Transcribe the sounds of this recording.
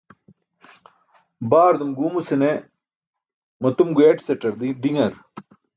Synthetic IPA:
baːɾd̪umɡuːmusine | mɐt̪umɡueːʈsɐʈɐɾd̪iɖiŋɐɾ

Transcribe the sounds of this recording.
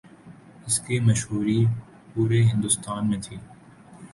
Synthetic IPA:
ɪskimɐʃɦuːɾi | puːɾeɦɪ̃nd̪ʊst̪aːnmẽt̪ʰiː

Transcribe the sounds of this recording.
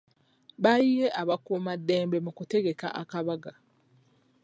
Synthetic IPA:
βaijeʔaβakumadːeːmbe̞mukute̞ɡe̞ka̰ʔakaβaɡa

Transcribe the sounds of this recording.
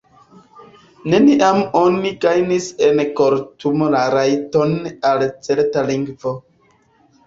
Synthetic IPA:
ne̞niʔamo̞niɡajnisenko̞ɾtumolaɾajto̞nalt͡se̞ɾtaliŋɡvo

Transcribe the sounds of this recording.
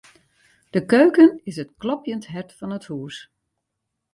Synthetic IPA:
d̥əkøːkənɪsətklɔpjəntɦɛrtfɑnəthuːs

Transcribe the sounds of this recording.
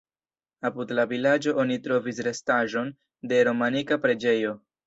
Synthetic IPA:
apudlavilad͡ʒo̞ʔonitɾo̞vis̬ɾe̞staʒo̞n | de̞ɾo̞manikapɾe̞d͡ʒe̞jo̞

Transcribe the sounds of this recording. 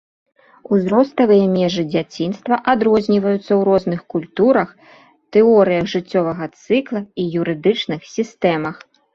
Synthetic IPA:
uzɾɔst̪ɐvɨjɐmʲɛʐɨd͡zʲat͡sʲin̪st̪vɐʔad̪ɾɔzʲnʲivɐjut̪sːɐwɾɔznɨxkulʲt̪uɾɐx | t̪ɛɔɾɨjɐɣʐɨt͡sʲːɔvɐɣɐt̪sɨklˠɐijuɾɨd̪ɨt͡ʂnɨxsʲist̪ɛmɐx

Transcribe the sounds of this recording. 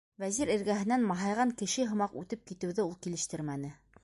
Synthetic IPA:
væziɾɘ̆ɾɡæɦɘ̆nːænmɑɦɑjʁɑŋkɘ̆ʃɘɦŏmɑqʉt̪ɘp̚kit̪ɘ̆wðɘulˠkilɘ̆ʃt̪ɘɾmænɘ

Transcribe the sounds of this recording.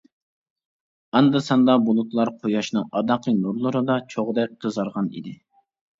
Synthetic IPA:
ɑnd̪ɨsɑnd̪ɑbulˠut̪lˠɑɾqʰojɑʃnɨŋɑd̪ɑqʰənuɾlˠɨɾɨd̪ɑt͡ʃʰoʁd̪ɛk̚ʲdəzɑɾʁɑnḭd̪ɪ

